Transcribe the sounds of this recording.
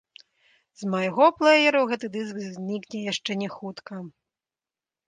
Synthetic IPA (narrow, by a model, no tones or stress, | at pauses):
zmɐjɣɔplˠɛjɛɾɐɣɛt̪ɨd̪ɨskzʲnʲiknʲɛjaʂt͡ʂɛnʲɛxut̪kɐ